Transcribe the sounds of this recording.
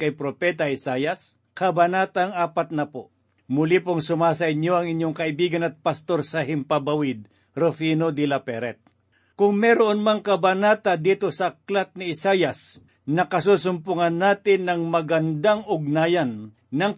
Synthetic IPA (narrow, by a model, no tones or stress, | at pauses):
kɐjpɾopɛːt̪ɐʔɪsaːjɐs | kɐbɐnaːt̪aŋʔaːpɐt̪̚nɐpo | mʊlipoŋsʊmaːs̬ɐɪɲjo̞ʔɐŋɪɲjoŋkɐʔɪbiːɡɐnɐt̪̚pɐst̪o̞ɾsɐhɪmpɐbɐwɪd̪̚ | ɾofinod̪ilɐpɛɾɛt̪̚ | kʊŋmɛɾoʔonmaŋkɐbɐnaːt̪ɐd̪iːt̪osɐklat̪̚nɪɪsaːjɐs | nɐkɐsuːsʊmpʊŋɐnːaːt̪ɪnːɐŋmɐɡɐnd̪aŋʔʊɡ̚naːjɐnː | ɐŋ